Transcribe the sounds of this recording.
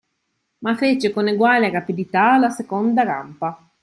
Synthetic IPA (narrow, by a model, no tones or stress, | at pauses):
mafet͡ʃekoneɡwaːleɾapid̪it̪alasekond̪aɾa̰mpa